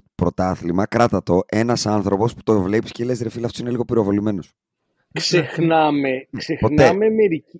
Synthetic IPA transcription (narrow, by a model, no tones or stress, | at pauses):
pɾo̞t̪ɐθlimɐkɾɐt̪ɐt̪o̞ʔe̞nɐsɐnθɾo̞po̞spu̥t̪ovle̞piscelezɾefilɐft̪osine̞liɣo̞piɾo̞vo̞lime̞no̞s | ksexnɐmeksexponeɐmemeɾic